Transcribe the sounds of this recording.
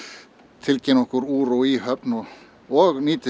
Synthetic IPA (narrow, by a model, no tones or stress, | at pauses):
t̪ʰɪlcʰɛnɔhkʊɾuːɾuihœpnɔ | ɔɣniːt̪ɪ